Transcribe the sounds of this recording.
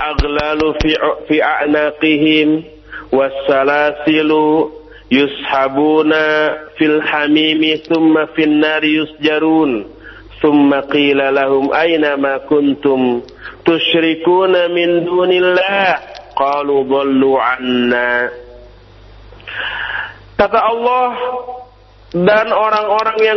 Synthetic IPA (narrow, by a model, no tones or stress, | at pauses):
ʔaɣlalfiːʔaʔnaːqɪɦɪm | wasːalaːsɪlu | jʊshabuːnafilħamiːmiθʊmːafinːaːɾjʊsd͡ʒaɾuːn | θʊmːaqiːlalahʊmʔajnamakʊnt̪ʊm | t̪ʊʃɾikuːnamɪnd̪uːnɪlːahqɑːluːd̪ˤɑlːuːʕanːa | t̪at̪aʔɑlːɑh | danoɾaŋoɾaŋja